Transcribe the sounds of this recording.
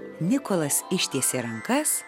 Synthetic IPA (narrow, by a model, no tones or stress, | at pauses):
nʲɪkolˠɐsɪʃʲt̪ʲiɛsʲeɾɐŋkɐs